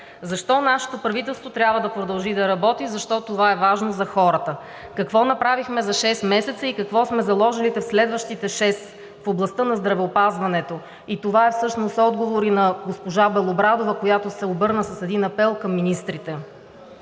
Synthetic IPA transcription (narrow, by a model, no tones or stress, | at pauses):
zɐʃt̪ɔnaʃɛ̥t̪opɾɐvit̪ɛlˠst̪vot̪ɾʲabvəd̪ɐpɾod̪ɐlˠʒid̪ɐɾɐbɔt̪izɐʃt̪ɔt̪ovaɛvaʒnozɐxɔɾət̪ə | kɐkvɔnɐpɾavixmɛzɐʃɛst̪mɛsɛt̪səikɐkvɔsmɛzɐlˠɔʒilit̪ɛfslɛd̪vəʃt̪it̪ɛʃɛs | foblˠɐst̪ɤnɐzd̪ɾɐvɛopazvɐnɛt̪o | it̪ovaɛfsɤʃnosɔd̪ɡovoɾinɐɡospoʒabɛlˠobɾad̪ovəkojat̪osɛobɤɾnəsəsɛd̪inɐpɛlˠkɐmːinist̪ɾit̪ɛ